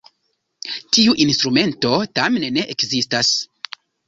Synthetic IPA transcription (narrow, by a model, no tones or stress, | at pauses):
tiuʔinstɾume̞nto̞tamenne̞ʔekzistas